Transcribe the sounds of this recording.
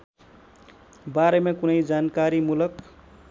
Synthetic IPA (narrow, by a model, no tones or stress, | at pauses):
baɾemekunʌjd͡zankaɾimulʌk